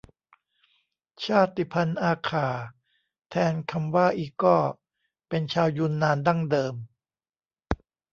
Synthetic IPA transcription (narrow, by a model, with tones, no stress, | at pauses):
t͡ɕʰaː˥˩t̪i˨˩pʰa˧nʔaː˧kʰaː˨˩˦ | t̪ʰɛː˧nkʰa˧mwaː˥˩ʔiː˨˩kːɔː˥˩ | pe˧nt͡ɕʰaː˧wjuː˧nːaː˧nda˥˩ŋdɤː˧m